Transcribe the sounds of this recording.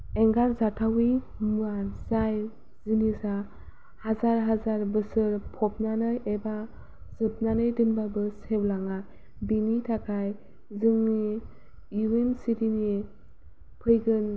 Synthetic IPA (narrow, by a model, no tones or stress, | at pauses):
eŋɡaɾzatʰawi | mɯazaj | z̥inisa | hazaɾɦazaɾbɯsɯɾpʰɔp̚nanɯjʔeba | zɯp̚nanɯjdɯnbabɯsewlaŋa | binitʰakʰaj | zɯŋni | uwensitini | pʰɯjɡɯn